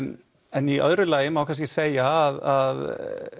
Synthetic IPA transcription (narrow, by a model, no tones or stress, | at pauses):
ɛniʔœ̰ðɾʏlaːjɪmawkʰanscɪseːjaðað